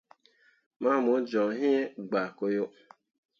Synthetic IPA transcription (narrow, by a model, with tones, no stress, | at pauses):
ma˦˨mo˨˦d͡ʒɔ̃˨˦ɦi˦e˦ɡ͡ba˨ko˦jo˦